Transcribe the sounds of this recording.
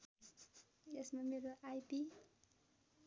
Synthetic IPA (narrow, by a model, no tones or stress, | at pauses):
jesmameɾoʔajpi